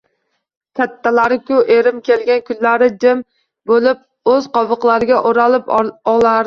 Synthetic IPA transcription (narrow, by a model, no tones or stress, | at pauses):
kʲʰat̪ːalaɾɪkʰʲʊʔeɾɪmkʲelɡʲankʰʊnlaɾɪd͡ʒɪm | bolɪp̚ | ɵz̥qɒvɨqlˠaɾɪɡʲaʔoɾalɪpɒlaɾ